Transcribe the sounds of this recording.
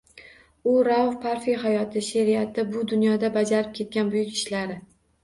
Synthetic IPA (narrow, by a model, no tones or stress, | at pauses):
ʊɾawfpʰaɾfijɦajɒt̪ʰɪʃeɾijat̪ɪbʊd̪ʊnjɒd̪abad͡ʒaɾɪp̚kʲʰe̞t̪̚kʲanbʊjɪkʲɪʃlaɾɪ